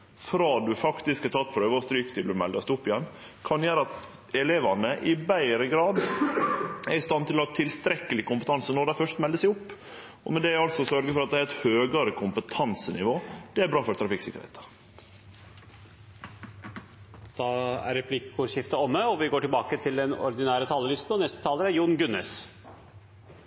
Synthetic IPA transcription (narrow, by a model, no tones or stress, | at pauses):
fɾɑːd̪ʉfɑkt̪ɪskɑt̪ʰɑt̪̚ːpʰɾøːʋəɔst̪ɾyːkə̥t̪ʰɪld̪ʉmɛld̪ɑst̪ʊpːɪjɛnː | kʰɑnjæːɾəɑt̪ | ɛleːʋɑnəʔɪbæɪɾəɡɾɑːd̪ | æɾɪst̪ɑnt̪ɪlɔt̪ʰɪlst̪ɾɛkːəlɪkʊmpət̪ʰɑnsənɔɾd̪æɪfœʂt̪mɛld̪əsæɪʊpː | ɔ̰mɛd̪ɛɑlt̪sɔsœɾɡəfɔɾɑt̪̚d̪ɛæɾɛt̪høːɡɑɾəkʰʊmpət̪ʰɑnsənɪʋoːd̪̥ɛæɾbɾɑːfɔɾt̪ʰɾɑfɪksɪkːəɾhɛ̰ɪt̪ə̥ | d̪̥ɑːæ̰ɾɛpʰlɪkːʊʃɪft̪əɔmːəɔʋɪɡoːʈɪlbɑːkət̪ʰɪld̪ɛnɔ̰ɾd̪ɪnæːɾət̪ʰɑːləlɪst̪n̩ɔnɛst̪ət̪ʰɑːləɾæɾjuːnɡʉnːɛ̰s